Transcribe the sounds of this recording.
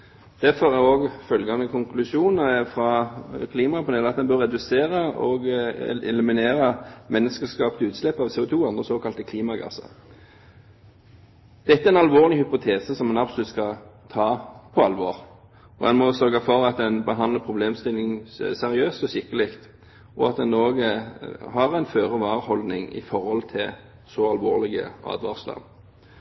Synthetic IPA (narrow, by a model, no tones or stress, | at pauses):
d̪̥æfɔʁæoːɡfœlɡɑnəkʰʊŋkʰlʉʂuːnəfɾɑkʰliːmɑpʰɔd̪ɛlɑt̪d̪ɛnbœɾːɛd̪ʉseːɾəɔ̰ɡ̰ɛlʉmɪneːɾəmʔɛnːəskəskɑːpt̪ʉːt̪slɛpːɑʋsɛːʊt̪ʰuːɑnd̪ʁəsoːkʰɑlt̪əkʰliːmɑɡɑ̰sə̰ɾ | d̪̥ɛt̪ːəæɾɛnɑlʋoːʁlɪhʏpʊt̪ʰeːsəsɔmːɛnɑbsɔlʉt̪skɑt̪ʰɑːpʰɔɑlʋoʁ | ɔɛnmɔsœʁɡəfɔʁɑt̪̚d̪ɛnbəɦɑnd̪ləʁpʰʁʊbleːmst̪ɪlːɪŋsɛʁɪøːst̪ɔsɪkːəlɪkt̪ | ɔɑt̪̚d̪ɛnoːɡəhɑʁæɪnføːʁəʋɑːʁhɔld̪nɪŋɪ̰fɔɾhɔlt̪ʰɪl | sɔɑlʋo̰ːʁlɪɡə̰ʔɑ̰ːd̪ʋɑ̰ʁslɑ̰n